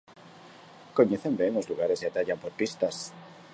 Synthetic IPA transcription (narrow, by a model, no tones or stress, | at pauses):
koɲeθembeŋozluɣaɾe̞seat̪aʎampoɾpist̪as